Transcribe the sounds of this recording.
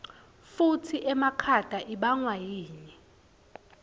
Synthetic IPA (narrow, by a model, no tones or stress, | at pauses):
futʰiʔɛmakʰad̥ʱaʔiɓaŋwajiːɲɛ